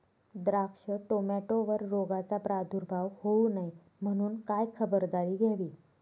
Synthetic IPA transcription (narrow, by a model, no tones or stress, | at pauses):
d̪ɾakʂəʈomaʈoʋəɾːoɡat͡sapɾad̪ʱuɾbʱaʋhounaj | m̤əɽ̃uːnkajkʰəbəɾd̪aɾiːɡʱeʋiː